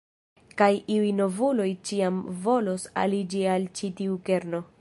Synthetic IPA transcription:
kajʔiujno̞vulo̞jt͡ʃiamvo̞lo̞sa̰lid͡ʒialt͡ʃitiuke̞ɾno̞

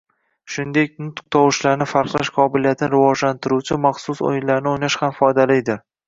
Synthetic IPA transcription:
ʃʊnd̪e̞k̚ʲnʊt̪q̚t̪ʰɒwɪʃlaɾnɪfaɾqlˠaʃqʰɒbɪlijat̪ʰɪnɪɾɪvɒd͡ʒlant̪ʰɪɾut͡ʃʰɪmɑχsʊso̰jɪnlaɾnɪojnaʃhamfɒjd̪alijd̪ɪ

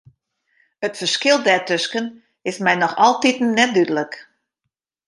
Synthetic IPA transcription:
ətfərskɪlˠdɛtøskən | ɪsmɛjnɔxɔlˠtitn̩nɛt̚dydələk

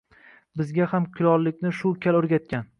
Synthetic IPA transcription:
bɪzɡʲahamkʲʰʊlɒlˠːɪkʲnɪʃʊkʲʰalɵɾɡʲat̪̚kʲan

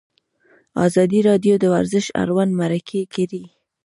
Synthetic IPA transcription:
ɑ̰zɑd̪iɾɑd̪jod̪əwaɾzɪʃa̰ɾwanmaɾakʰekaɾi

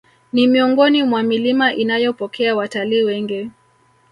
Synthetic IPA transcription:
nimiɔŋɡɔnimwamilimaʔinajɔpɔkʰɛawataliːwɛŋɡi

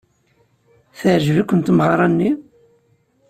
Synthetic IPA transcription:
θəʕʒvikʷːənt̪məʁɾˤɑnːi

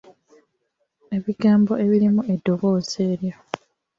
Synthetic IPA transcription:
e̞βiɡaːmbo̞e̞βiɾimue̞dːoβo̞ːze̞ːɾja

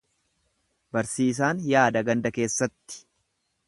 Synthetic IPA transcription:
bɐɾsiːs̬aːnjaːd̪ɐɡɐnd̪ɐke̞ːsːɐt̪ːɪ̥

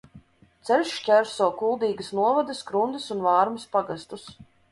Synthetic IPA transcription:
t̪sɛɾʲʃcʲɛɾsɔːkulˠd̪iːɡəsnuɔvɔd̪ɨskɾund̪ɨsunvaːɾmɨspaɡast̪us

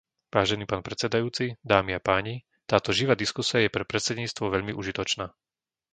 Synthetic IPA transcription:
ʋaːʒɛniːpaːnpɾɛt͡sɛd̪ajuːt͡sid̪aːmiapaːɲi | t̪aːt̪ɔʒiʋaːd̪iskusiajɛpɾɛpɾɛt̪sɛd̪ɲiːt͡st̪ʋɔʋɛʎmiʔuʒit̪ɔt͡ʃnaː

